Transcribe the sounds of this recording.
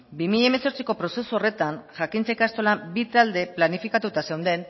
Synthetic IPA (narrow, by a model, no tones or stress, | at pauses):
bimiʎaeme̞so̞ɾt͡siko̞pɾo̞se̞suore̞t̪anʝakint͡sekast̪o̞labit̪ald̪e̞planifikat̪ut̪ase̞wnd̪e̞n